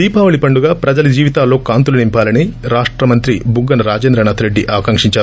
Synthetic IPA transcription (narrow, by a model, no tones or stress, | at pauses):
d̪iːpaːʋɐɭipɐɳɖuɡaːpɾɐd͡ʒɐlɐd͡ʒiːʋit̪aːlːo̞ːkaːnt̪ulɐnimpaːlɐniɾaːʂʈɾɐmɐnt̪ɾibuɡɐnɐɾaːd͡ʒend̪ɾɐnaːt̪ʰɾeɖːiʔɐːɐkɐŋkʂiɲt͡ʃaːɾu